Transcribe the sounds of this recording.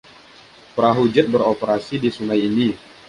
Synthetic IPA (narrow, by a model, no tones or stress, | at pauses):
pəɾaɦud͡ʒʊt̪̚bəɾopəɾasidisunajini